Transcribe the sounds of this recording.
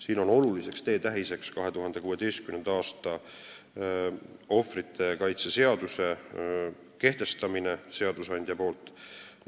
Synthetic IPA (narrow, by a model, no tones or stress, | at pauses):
siːno̞no̞lulise̞kst̪e̞ːt̪æɦise̞kskɑɦe̞t̪uɦɑnd̪e̞kuːe̞d̪e̞jst̪kymnend̪ɑɑːst̪ɑ | o̞frit̪ʰːˑe̞kɑjt̪sese̞ɑd̪̥use̞ | ke̞ht̪e̞st̪ɑminese̞ɑd̪̥usɑnʲd̪̥jɑpo̞ːlt̪ˑ